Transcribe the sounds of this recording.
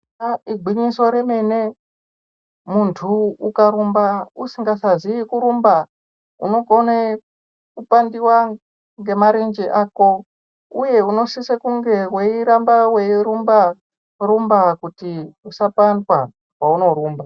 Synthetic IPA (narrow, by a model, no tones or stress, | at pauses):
aiɡʱiɲiso̞ɾeme̞ne̞ | muntʰuːkaɾumbausiŋɡasaziikuɾumba | ṵno̞ɡo̞ne | kupandiwa | ŋɡe̞maɾend͡ʒeʔaːko̞ | uje̞uno̞sisekuŋɡe̞weiɾambaweiɾumba | rumbakutiusapandwa | kwauno̞ɾuːmba